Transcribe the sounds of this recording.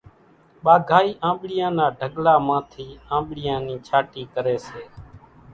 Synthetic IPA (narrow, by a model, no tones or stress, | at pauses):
ɓaːɡʱaːiːʔãːɓɽɪjãːnaːɖʱəɠlaːmãːt̪ʰiːãːmɓɽɪjãːniːt͡ʃʰaːʈiːkəɾeːseː